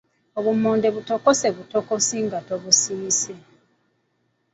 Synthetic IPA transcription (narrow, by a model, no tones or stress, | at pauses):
oβumoːndeβutokoseβutokosiŋɡatoβusiise